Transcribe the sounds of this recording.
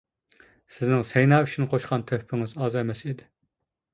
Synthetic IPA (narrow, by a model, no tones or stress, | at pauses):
sɪznɪŋsɛjnɑːyt͡ʃʰinqʰoʃqɑnt̪ʰøhpʰɪŋɪzɑːzɑɛmɛsid̪ɪ